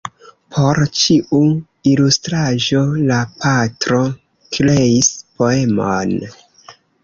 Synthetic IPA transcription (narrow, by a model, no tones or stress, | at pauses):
pʰo̞ɾt͡ʃiu | ilustɾaʒo̞lapatɾo̞ | kleispo̞emon